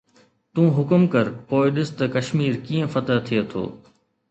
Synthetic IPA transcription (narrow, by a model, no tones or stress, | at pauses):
t̪ũːɦʊkʊmkɐɾpoːɪɗɪst̪ɐkɐʃmiːɾkiːə̃fɐt̪əɦt̪ʰijet̪ʰo̰ː